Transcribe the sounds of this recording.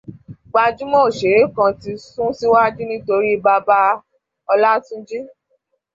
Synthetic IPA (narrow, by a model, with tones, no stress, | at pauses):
ɡ͡ba˧d͡ʒu˦mɔ̃˦˨ʃe˨˦ɾe˨˦kã˧ti˧sũ˦si˦wa˦d͡ʒi˦nĩ˦to˧ɾi˦˧˦ba˧ba˧ | ɔ˧la˦tũ˦d͡ʒi˦